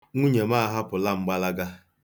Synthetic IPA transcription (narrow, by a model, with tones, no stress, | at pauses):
ŋu˦ɲe˨ma˦˨ɦa˦pʊ˨la˦ŋ͡m̩˦ɡ͡ba˦la˦ɡa˦